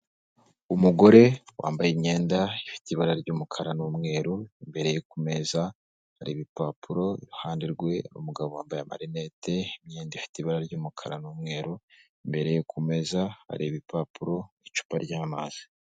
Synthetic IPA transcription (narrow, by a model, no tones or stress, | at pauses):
umuɡo̞ɾe̞wa̰ːmbajimɲe̞ːndaifi̥tiiβaɾaɾɟuːmukʰaɾanumŋe̞ːɾuimbe̞ɾe̞jekume̞za | haɾiβipapʰuɾo̞iɾuhaːndiɾɡwe̞ṵmuɡaβowaːmbajama̰ɾineteimɲeːndaifi̥tiiβaɾaɾɟuːmukʰaɾa̰numŋe̞ːɾu | imbe̞ɾe̞jekʰume̞zaha̰ɾiβipapuɾo̞it͡ʃu̥paɾɟaːmaz̥i̥